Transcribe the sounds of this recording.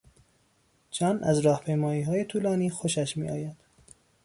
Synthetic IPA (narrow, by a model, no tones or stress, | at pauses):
d͡ʒɒːnʔæ̰zɾɒːhpʰe̞jmɒːiːɦɒːje̞t̪ʰuːlɒːniːxoʃæʃmḭːʔɒːjæd̪̥